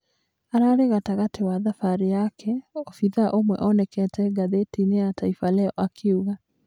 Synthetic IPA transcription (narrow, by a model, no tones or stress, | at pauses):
aɾaɾeɣataɣatewaðafaɾejakʰɛofiðaʔomwɛ̰ʔɔnɛkɛtʰɛɡaðetineatʰaifalɛɔ̰ʔakʰeuɣa